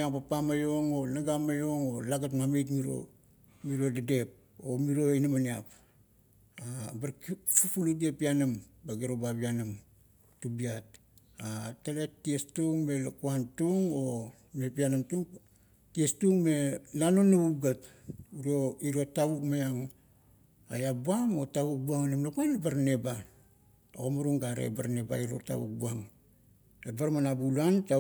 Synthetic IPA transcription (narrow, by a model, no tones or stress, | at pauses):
jaŋpapamajo̞ŋo̞naɡamajo̞ŋo̞laɡatŋamet̬miɾo̞̰ | miɾo̞dade̞p̚ | omiɾo̞inamania̰p | abaɾkfupuludiepianambaɡeɾobabianam | tubiat̚ | atale̞ttːiestuŋme̞lakuantuŋo̞ | me̞pianamtuŋ | tiestuŋme̞nanonuuɡatuɾoiɾo̞taβukmajaŋ | ajabuamo̞taβuk̚buaŋanemlakuanlabaɾne̞ba | o̰ɡomaɾuŋɡaɾḛbaɾne̞ba̰iɾo̰ta̰βṵk̚buaŋ | ebaɾmanabulanta